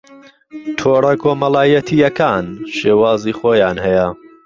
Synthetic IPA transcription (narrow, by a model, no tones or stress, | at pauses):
t̪ʰoːɾɐkʰoːmɐlˠaːjɐt̪ʰijɐkʰaːnʃeːwaːziːxoːjaːnhɛjɐ